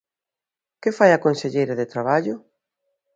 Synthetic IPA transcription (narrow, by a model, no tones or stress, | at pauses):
kɪfajakonseʎejɾɐðɪt̪ɾaβ̞aʎʊ